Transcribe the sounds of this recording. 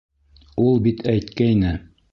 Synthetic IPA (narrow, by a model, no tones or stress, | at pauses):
ulˠbit̪ʰæjt̪kæjnɘ